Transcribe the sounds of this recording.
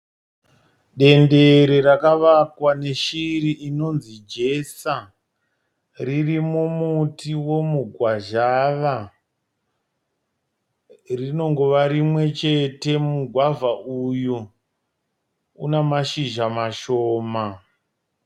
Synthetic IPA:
ɗe̞nde̞ɾeɾakaʋakwaneʃiriʔino̞nzid͡ʒe̞sa | ririmumutiwo̞muɡʱwaʒaʋa | rino̞ŋɡoʋaɾimwe̞t͡ʃete̞muɡʱwavaʔuju | unamaʃiʒamaʃoːma

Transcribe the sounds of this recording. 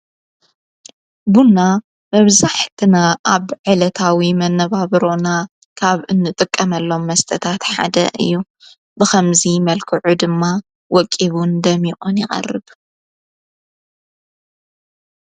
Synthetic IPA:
bunːa | mɐβzaħt̪ʰɨnaʔaβʕɨlɐt̪ʰawimɐnːɐβaβɾo̞na | kʰaβɨnːɨt̪ʼɨkʼːɐmɐlːo̞mːɐst̪ʰɐt̪ʰat̪ħa̰d̪ɐ̰ʔɨ̰jːu | bɨxɐmzimɐlkʰɨʕud̪ɨmːa | wɔkʼːiβund̪ɐmiχʼonjɪχʼɐ̰rːɨb

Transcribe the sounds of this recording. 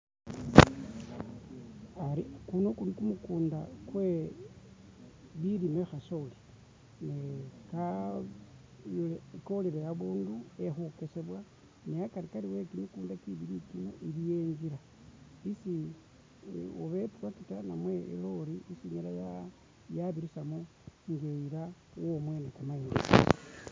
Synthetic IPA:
aɾikunokunikumukuːndakwe | βiɾimexasoli | neka | ekoliɾejaβuːnduexukeseβwa | neakaɾikaɾiwekimikuːndakiβiɾikimaʔilijeːɲd͡ʒiɾa | isi | uβepuɾwakitanamwe̞ḛloɾiisiɲelaja | jaβiɾisamu | ŋɡeiɾawomwe̞nekamaine

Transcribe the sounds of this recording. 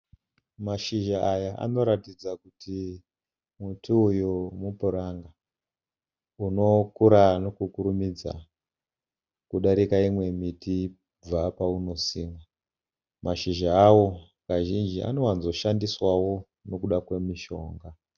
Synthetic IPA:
maʃiʒaːjaʔa̰no̞ɾatid͡zakutʰi | mutʰuːjumupuɾaŋɡa | uno̞kuɾano̞kukuɾumid͡za̰ | kuɗaɾikaimwe̞mitʰi | b͡vapauno̞siːŋɡa | maʃiʒaːwo̞ | kaʒind͡ʒia̰nowanzo̞ʃandiswawo̞ | no̞kuɗakwe̞miʃo̞ːŋɡa

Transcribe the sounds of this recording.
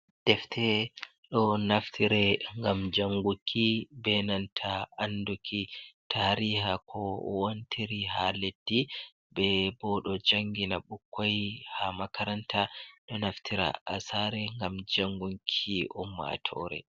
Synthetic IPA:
d̥ɛftʰɛ | ɗɔnaftʰiɾɛŋɡamd͡ʒaŋɡukʰibɛnantʰaːndukʰitʰaɾihakʰɔwontʰiɾihaledːi | bɛbɔɗɔd͡ʒaŋɡinaɓukːajhamakaɾantʰaɗɔnaftʰiɾa̰ʔa̰saɾɛŋɡamd͡ʒaŋɡuŋkʰiʔɔmːa̰tʰɔ̰ɾɛ̰

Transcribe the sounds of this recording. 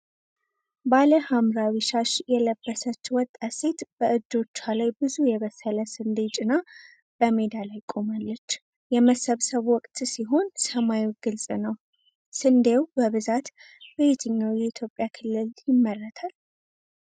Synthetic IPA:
baləhamɾawiʃaʃjɛləbːəsət͡ʃːwɔt̪ʼːase̞t̪b̥əʔɨd͡ʒ̪ːo̞t͡ʃːalajbɨzujɛβəsələsɨnd̪e̞t͡ʃʼɪna | b̥əmed̪alajkʼo̞malːət͡ʃː | jɛməsəβsəβwɔkʼt̪ʼsiɦo̞nsəmajwɡɨlsʼnəw | sɨnd̪ewbəβɨzat̪ | bet̪ʰɨɲːawjɛit̪ʰjo̞pʼjakʰɨlːɨljɪmːəlːət̪ʰal

